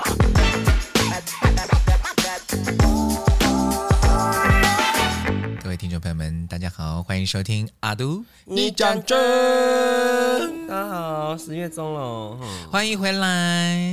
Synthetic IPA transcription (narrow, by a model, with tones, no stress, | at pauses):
kə˥˧˩we˥˩t̪ʰi˥ʈ͡ʂo˥ŋpʰə˧˦jo˥˩mə˧˦nt̪a˥˧˩t͡ɕja˥xɑ˨˩˦ʊxwa˥ni˧ŋʂo˥ʊt̪ʰi˥ŋa˨˩t̪u˥ | ni˨˩t͡ɕa˨˩ŋʈ͡ʂə˥˦ | a˧˥xɑ˨˩˦ʂɻ̩˧ɥɛ˥˩t͡so˥ŋlo˨˩˦xwa˥ni˧˥ŋxwe˧˥ɪla˧˦ɪ